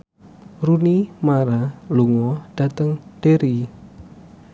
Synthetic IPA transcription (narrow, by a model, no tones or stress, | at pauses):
runimaɾaluŋɔɖ̥at̪əŋɖ̥eɾi